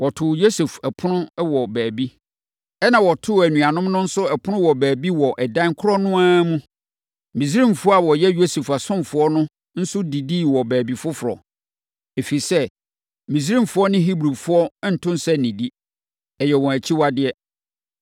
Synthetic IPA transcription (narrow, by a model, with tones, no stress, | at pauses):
wɔ˨tʰʊ˨jo˦se˨fɛ˨pʰʊ˦nʊ̃˦wɔ˨bæː˨bi˦ | ɛ˦nã˨wɔ˨tʰʊ˦˨æ˨nũ˨a˨nʊ̃˦mnʊ̃˦n̩˦sʊ˦ɛ˨pʰʊ˦nʊ̃˦wɔ˨bæː˨bi˦wɔ˨ʔɛ˨dã˦ŋ˦kʰʊ˦ɾɔ˦nʊ̃˦ãː˦mũ˦ | mĩ˨s̬ɾĩ˦˨mfʊ˦a˨wɔ˨jɛ˦jo˦se˨fa˨sʊ̃˦mfʊ˦ɔ˦nʊ̃˦ | n̩˦sʊ˦di˨di˦˨wɔ˨bæː˨bi˨fʊ˦fʊ˨ɾɔ̰˨ | e˨fi˨sɛ˦ | mĩ˨s̬ɾĩ˦mfʊ˨˦ɔ˦nɪ̃˦ɦi˦bɾu˨fʊ˦ɔ˦n̩˨tʰʊ̃˦n˦sɛ˦nĩ˨di˦ | ɛ˨jɛ˨wɔ̃˨æ˨t͡ɕʰi˦wa˦dɪ˦˨ɛ˦